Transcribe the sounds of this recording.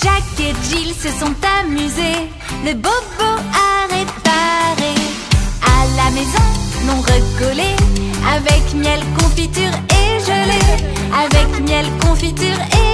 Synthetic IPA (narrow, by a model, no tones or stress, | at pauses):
ʒ̥akeʒilsəsɔ̃t̪amyze | ləboboaʁepaʁe | alamezɔ̃lɔ̃ʁəkɔleavɛkmjɛlkɔ̃fit̪yʁeʒəle | avɛkmjɛlkɔ̃fit̪yʁe